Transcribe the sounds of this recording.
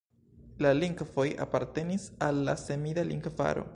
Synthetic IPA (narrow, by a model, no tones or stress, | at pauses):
laliŋɡvo̞ja̰paɾte̞nisalːasemidalḭŋɡva̰ɾo̞̰